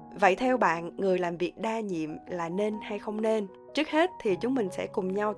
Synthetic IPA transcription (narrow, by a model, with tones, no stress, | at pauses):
və̰˧˨jt̪ʰɛ˧wɓa̰ː˧˨nŋɨ˨˩əjlaː˨˩mvi˨˩ək̚ɗaː˧ɲḭ˧˨əmlaː˨˩ne˧nha˧jxə˧wŋ͡mne˧n | t͡ɕɨ˦˥ək̚he˦˥t̚t̪ʰi˨˩t͡ɕʊ˨˦ŋ͡mmï˨˩ŋ̟sɛ̰˧˥kʊ˨˩ŋ͡mɲa˧w